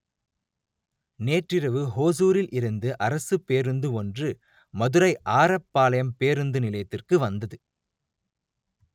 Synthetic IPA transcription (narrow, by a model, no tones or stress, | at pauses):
neːʈrɪɾɐʋɯɦoːs̬uːɾɪlʔɪɾɯnd̪ɯʔɐɾɐsɯpeːɾɯnd̪ɯɔndrɯ | mɐðɯɾɐɪʔaːɾɐpːaːlɐjɐmpeːɾɯnd̪ɯnɪlɐjɐt̪ːɪrkɯʋɐnd̪ɐðɯ